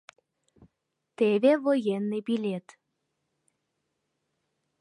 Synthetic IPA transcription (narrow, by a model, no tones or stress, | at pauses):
t̪eβʲevojenːɨbilʲet̪